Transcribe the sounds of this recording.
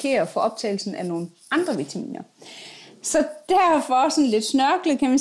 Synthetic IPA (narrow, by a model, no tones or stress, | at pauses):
kʰe̝̰ːɐfɒ̽ʔɒ̽b̥̚t͡sʰɛ̰ɪl̩sn̩æno̝ːn̩ | ɑ̈nd̥ʁɐʋit͡sʰæmḭːnɐ | sɒ̽d̥æɐ̰fɒ̽sɒ̽nle̝d̥snɶɐɡ̥lð̩ˠkʰæmæ